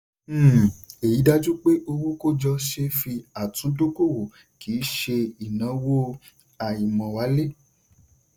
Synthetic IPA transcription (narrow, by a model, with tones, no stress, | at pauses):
e˨ji˨˦da˦d͡ʒu˦k͡pe˦ʔo˧wo˦ko˦d͡ʒɔ˧ʃe˧fi˧a˨tũ˨˦do˦ko˦˨wo˨ | ki˨˦ʃe˧i˨nã˨˦wo˦ | a˨ji˨mɔ̃˨wa˨˦le˦